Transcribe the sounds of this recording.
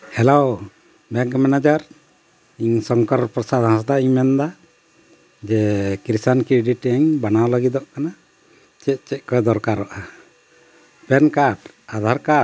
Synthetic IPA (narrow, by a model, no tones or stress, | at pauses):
hɛlow | bɛŋkmɛnad͡ʒaɾ | iɲsɔŋkɔɾpɾɔsad̪ɦãs̬d̪aiɲmɛnd̪a | d͡ʒɛkɾisankɾɛɖiʈaɲbanawlaɡid̪ɔʔkana | t͡ʃɛt̪̚t͡ʃɛc̪̚ˀkɔɛd̪ɔɾkaɾɔʔa | pɛnkaʈ | ad̪ʱaɾka